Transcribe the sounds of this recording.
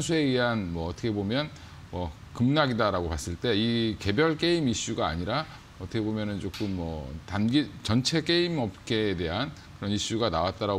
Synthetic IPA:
nsʰue̞ɥiɦanmwʌːtʰʌkʰe̞bomjʌn | mʌ | kɯmnaɡidaɾaɡopas͈ɯɭt͈e̞ike̞bjʌɭk͈e̞imiɕ͈uɡa̰ːɲiɾa | ʌtʰʌkʰebomjʌnɯnt͡ɕok͈ɯmːʌtanɡit͡ɕʌnt͡ɕʰe̞k͈e̞imʌp̚k͈e̞ːde̞ɦankɯɾʌniɕ͈uɡanawat̚t͈aɾa

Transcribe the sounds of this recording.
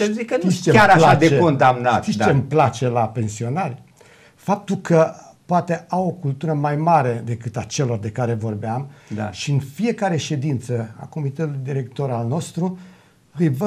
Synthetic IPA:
ezikənit͡ʃeaɾalaat͡ʃd̪eeond̪amnat̪it͡ʃemplat͡ʃe̞lape̞nsio̞narʲ | fap̚t̪ulkʰə | poat̪e̞awo̞kult̪uɾəmajmaɾe̞d̪e̞kɨt̪at͡ʃe̞lo̞rd̪e̞kaɾe̞vo̞rbeamaʃiɨnfie̞kaɾe̞ʃe̞d̪int̪səa̰ko̞mit̪et̪ulujd̪iɾe̞k̚t̪o̞ɾalno̞st̪ɾu | ɨjvə

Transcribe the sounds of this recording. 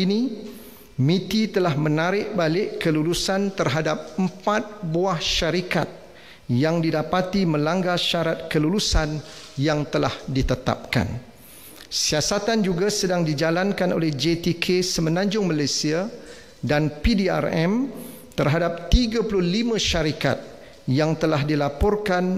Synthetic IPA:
inĩ | mĩt̪it̪əlahmə̃naɾɪʔ̚balɪʔkəlulusant̪ərɦadap̚əmpat̪̚buahʃaɾika̰t̪̚ | jaŋdidapat̪imə̃laŋɡaʃaɾat̪̚kəlulusanjaŋt̪əlahdit̪ət̪a̰p̚ka̰n | siasat̪and͡ʒuɡasədaŋdid͡ʒalankanʔo̰lɛhd͡ʒet̪ikʰesəmə̃nãɲd͡ʒʊŋmalajsia | danpidia̰rɛm | t̪ərɦadap̚t̪iɡapulʊhlimãʃaɾika̰t̪̚ | jaŋt̪əlaɦdilapɔrkan

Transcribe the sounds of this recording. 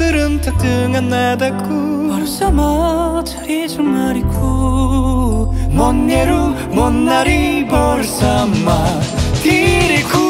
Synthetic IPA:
ɯɾɯnt̪ʰak̚t͈ɯŋanːadak͈ʰopʌɭsamat͡ɕʰḁɾet͡ɕomːaɾikʰo | mʌnːeɾo | mʌnːaɾibʌɭsamːat̪iɾekʰo

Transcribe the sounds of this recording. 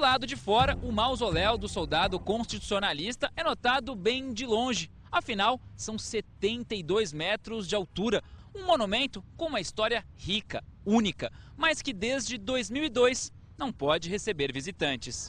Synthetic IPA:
d̪ʊlad̪ʊd͡ʒɪfɔɾɐʔʊmawzolɛwd̪ʊsowd̪ad̪ʊkõst͡ʃit̪u̥sionalist̪ɐʔɛnot̪ad̪ʊbẽj̃d͡ʒɪlõʒɪ | ɐfinawsɐ̃w̃set̪ẽnt̪ɐid̪ojzmɛt̪ɾʊzd͡ʒɪawt̪uɾɐũmonumẽnt̪ʊkõũmɐist̪ɔɾiɐ | hikɐũnikɐ | mɐskɪd̪ezd͡ʒɪd̪ojzmiwid̪ojs | nɐ̃w̃pɔd͡ʒɪɦesebeɾvizit̪ɐ̃nt͡ʃɪs

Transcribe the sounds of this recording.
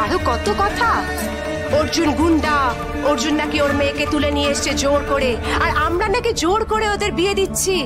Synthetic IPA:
aɦokɔt̪okɔt̪ʰa | oɾd͡ʑunɡunɖ̪a | oɾd͡ʑunːakioɾmeket̪ulenijeeʃt͡ɕʰed͡ʑoɽkoɽeaɾamɾanakid͡ʑoɽkoɾeod̪eɾbied̪itːɕʰi

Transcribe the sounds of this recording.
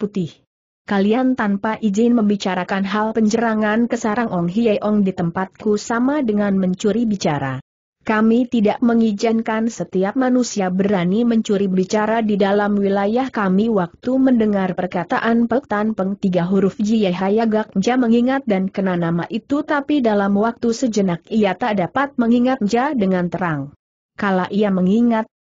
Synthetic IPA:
put̪ɪh | kaliant̪anpaʔizɪnməmbit͡ʃaɾakanɦalpəɲd͡ʒəɾaŋankəsaɾaŋʔɔŋɦijajʔɔŋdit̪əmpat̪̚kusamadəŋanməɲt͡ʃuɾibit͡ʃaɾa̰ | kamit̪idaʔməŋid͡ʒinkansət̪iap̚manusiabəɾaniməɲt͡ʃuɾibit͡ʃaɾadidalamwilajahkamiwak̚t̪uməndəŋarpərkat̪aʔanpək̚t̪anpəŋt̪iɡaɦuɾʊfd͡ʒijaɦajaɡak̚ɲd͡ʒaməŋiŋat̪̚dankənanamaʔit̪ut̪apidalamwak̚t̪usəd͡ʒənakijat̪aʔdapat̪̚məŋiŋat̪̚ɲd͡ʒadəŋant̪əɾaŋ | kalaʔijaməŋiŋat̪̚

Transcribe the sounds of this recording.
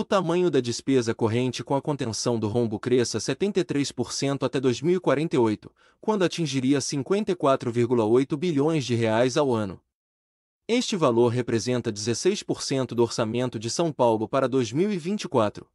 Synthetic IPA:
ʊt̪amɐ̃ɲʊd̪ɐd͡ʒɪspezɐkoɦẽnt͡ʃɪkõɐkõnt̪ẽsɐ̃w̃d̪ʊɦõbʊkɾesɐset̪ẽnt̪ejt̪ɾejspoɾsẽnt̪ʊat̪ɛd̪ojzmiwikwaɾẽnt̪ejojt̪ʊ̥ | kwɐ̃nd̪ʊat͡ʃĩʒiɾiɐsĩŋkwẽnt̪ɐjkwat̪ɾʊviɾɡulɐojt̪ʊbiʎõj̃zd͡ʒɪɦeajzawɐ̃nʊ̰ | est͡ʃɪvaloɾɦepɾezẽnt̪ɐd͡ʒɪzesejspoɾsẽnt̪ʊd̪ʊoɾsamẽnt̪ʊd͡ʒɪsɐ̃w̃pawlʊpaɾɐd̪ojzmiwivĩnt͡ʃikwat̪ɾʊ

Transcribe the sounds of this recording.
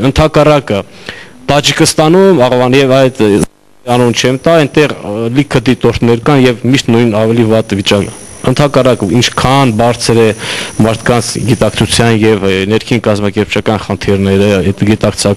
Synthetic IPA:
ənt̪ʰɑkɑrɑkət̪ɑt͡ʃikʰəst̪ɑnumɑʁvɑnjɛvɑjt̪ | ɑnunt͡ʃʰɛmt̪ɑɛnt̪ɛʁlikʰəd̪it̪ɔɾt̪ʰnɛɾkɑnjɛvmiʃt̪nujnɑvɛlivɑt̪vit͡ʃɑkə | ənt̪ʰɑkɑrɑkəint͡ʃʰkʰɑnbɑɾt͡sʰɾɛmɑɾt̪ʰkɑnt͡sʰɡit̪ɑkt͡sʰut͡sʰjɑnjɛvnɛɾkʰinkɑzmɑkɛɾp̚t͡ʃʰɑkɑnχənt̪ʰiɾnɛɾəɛt̪ɡit̪ɑkt͡sʰɑk

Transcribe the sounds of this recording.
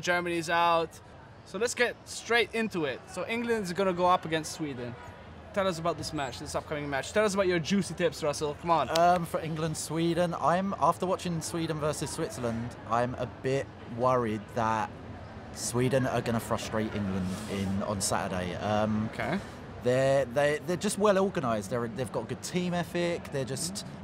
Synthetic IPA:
d͡ʒɜːmənizaʊt | soʊlətsɡ̥ɛt̚stɹ̥eɪtɪ̃ntuɪt̚soʊʔɪ̃ŋɡlə̃ndzəɡʌnəɡoʊʌpəɡɛ̃nstswiːdⁿn̩ | tʰɛlˠʌs̬əbaʊt̪̚ðɪsmæt͡ʃðɪsʌp̚kʰʌ̃mɪ̃ŋmæt͡ʃtʰɛlˠʌs̬əbaʊt͡ʃə˞d͡ʒʉsitʰɪpsɹʌsəlˠkʰʌmə̃nʌ̃mfəɪ̃ŋɡlə̃nd̥swiːdⁿn̩ã̰ɪ̃mɑˑftəwɒt͡ʃɪ̃ŋswiːdⁿn̩vɜˑsɪz̥swɪtsələ̃ndʔã̰ɪ̃mə̰bɪʔ | wʌɹɪd̪̚ðəʔ | swiːdⁿn̩ə̰ɡʌñəfɹʌstɹ̥eɪtɪ̰̃ŋɡlə̃ndɪ̃nə̰̃nsa̰tə̰dḛɪʌ̃mkʰe | ðəðeɪðəd͡ʒʌstwɛlɔːɡənaɪzðəɹəðeɪvɡɒʔəɡ̥ʊd̚tʰĩːmɛfɪk̚ðəd͡ʒʌst

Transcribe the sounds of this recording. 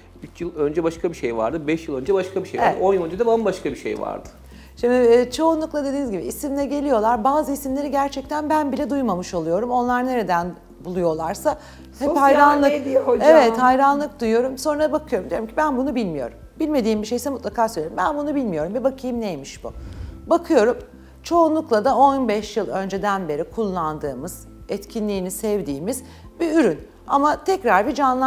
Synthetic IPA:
yt͡ʃjɯlˠø̞nd͡ʒɛbaʃkʰabiʃejva̰ɾd̪ɯbɛʃjɯlˠønd͡ʒɛbaʃkʰabiʃejaɾd̪o̞njɯlˠønd͡ʒed̪ɛbanbaʃkabiʃḛjva̰ɾd̪ɯ̥ | ʃimd̪iːt͡ʃʰo̞unlˠuklˠad̪e̞d̪iːnizɟibiisimlʲɛɾɟelʲijo̞lˠaɾbaːzɯisimlʲe̞ɾiɟæɾt͡ʃʰɛc̚t̪ʰænbænbilʲɛd̪ujmamɯʃo̞lˠujo̞ɾumo̞nlˠaɾne̞ɾe̞d̪æn | bulˠujo̞lˠaɾsa | hɛphajɾanlˠɯevɛt̪hajɾanlˠɯk̚d̪ujjo̞ɾumso̞nuɾaabakʰɯjo̞ɾumd̪ijoɾimcʰibænbunubilʲmijo̞̰ɾumbilʲme̞d̪iːmbiʃe̞jsɛmut̪lˠakʰaːsølʲeɾimbænbunubilʲmijo̞ɾumbibakʰɯjɯmnejmiʃb̥ṵbakʰɯjo̞ɾum | t͡ʃʰo̞ːnlˠuklˠad̪ao̞nbɛʃjɯlˠø̞nd͡ʒed̪ænbe̞ɾikʰulˠːand̪ɯːmɯz̥ | ɛt̪cʰinlʲiːnisɛvd̪iːmiz̥ | biyɾyn | amat̪ʰɛcɾaɾbid͡ʒanlˠ

